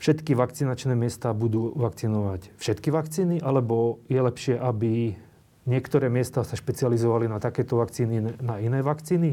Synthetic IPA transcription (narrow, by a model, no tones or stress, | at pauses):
fʃɛt̪kiʋakt͡sinat͡ʃnɛːmɪɛst̪aːbud̪uːʋakt͡sinɔʋacfʃɛt̪kiʋakt͡siːniʔalɛbɔjɛlɛpʃɪɛʔabi | ɲɪɛkt̪ɔɾɛːmɪɛst̪aːsaʃpɛt͡sializɔʋalinat̪akɛːt̪ɔʋakt͡siːninainɛːʋakt͡siːni